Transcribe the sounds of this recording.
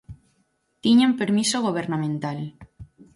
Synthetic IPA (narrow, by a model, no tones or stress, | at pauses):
t̪iɲampeɾmisoɣoβ̞eɾnamẽnt̪al